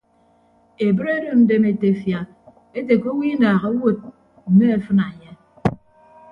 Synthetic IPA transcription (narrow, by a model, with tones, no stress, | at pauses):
e˨bɨ˦ɾe˦do˨n̩˦de˨me˨te˨fja˨ | e˦te˨ko˦wi˦naː˨ɣa˦wo˦˨t̚ | m̩˨me˦e˨fɨ˦na˨ɲe˦